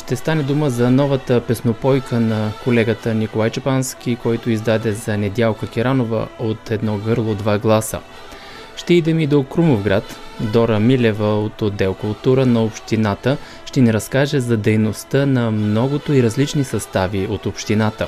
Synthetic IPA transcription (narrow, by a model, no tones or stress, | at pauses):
ʃt̪ɛst̪anɛd̪uməzɐnɔvət̪əpɛsnopɔjkʰənɐkolɛɡət̪ənikolˠajt͡ʃɐpansk̟ʲikɔjt̪oizd̪ad̪ɛzɐnɛd̪ʲjalˠkək̟ʲiɾanovə̰ot̪ʰɛd̪nɔɡɤɾlˠod̪vaɡlˠasə̰ | ʃt̪ɛid̪ɛmid̪okɾumofɡɾat̪d̪ɔɾəmilɛvəot̪od̪ːɛlkʊlˠt̪uɾənɐopʃt̪inat̪ə | ʃt̪ɛniɾɐskaʒɛzɐd̪ɛjnost̪ənɐmnɔɡot̪oiɾɐzlit͡ʃnisɐst̪aviot̪opʃt̪inat̪ə